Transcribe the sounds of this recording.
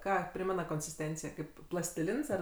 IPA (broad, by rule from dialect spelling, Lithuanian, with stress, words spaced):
ˈkɑː ˈpʲrʲɪmʲɛnɐ koːnʲsʲɪsʲˈtʲɛnʲt͡sʲɪjɛ ˈkɐɪp plˠɐsʲtʲɪˈlʲɪns ɐr